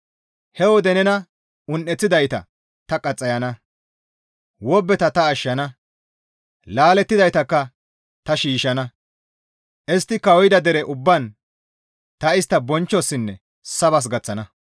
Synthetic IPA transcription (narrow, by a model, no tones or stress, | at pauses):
hɛwɔd̪ɛnɛnɐ | ʊnʔːɛt͡sːɪd̪ɐjt̪ɐ̰ | t̪ɐkʼɐt͡sʼːɐjɐnɐ | wɔbːɛt̪ɐt̪ɐːʃːɐnɐ | laːlɛt̪ːɪd̪ɐjt̪ɐkːɐ | t̪ɐʃiːʃɐnɐ | ʔɛst̪ːɪkɐwɔjɪd̪ɐd̪ɛɾɛʔʊbːɐn | t̪ɐɪst̪ːɐbɔnt͡ʃːɔsːɪnːɛ | sɐβɐs̬ɡɐt͡sːɐnɐ